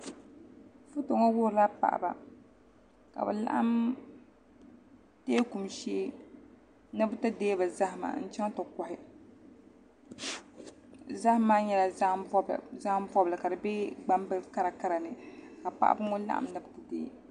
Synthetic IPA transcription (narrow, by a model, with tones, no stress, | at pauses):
fu˦to˨ŋɔ˦wʊ˦hɾla˦pa̰˨ʔba̰˨ | ka̰˨bɨ̰˨la̰˦ʔa̰˦m | teː˦ku˨mʃeː˦ | nɨ˦bɨ˦tɨ˦deː˦ba˨za˦hɪ˨ma̰˨n̩˦t͡ʃa˦ŋ˦to˨kɔ˨hɪ˨ | za˦hmaː˦ɲɛ˦la˨˦˨za˦m˦vɔ˦bla˨ka˨dɨ˨bɛ˦ɡ͡ba˦mbɨ˦ka˦ɾa˨ka˦ɾa˨nɨ˨ka˨pa̰˨ʔa̰˨bɨ˦ŋo˦la̰˦ʔa̰˨m˦nɨ˦btɨ˨deː˦˨